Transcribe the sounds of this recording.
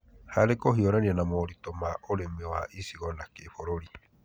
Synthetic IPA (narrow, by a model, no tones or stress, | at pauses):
haɾekoɦioɾanianamoɾit̪omaʔoɾemewaʔisiɣonakefoɾoɾi